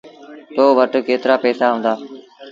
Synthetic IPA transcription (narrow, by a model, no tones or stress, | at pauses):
t̪oːʋəʈkeːt̪ɪɾaːpɛːsaːɦõːnd̪aː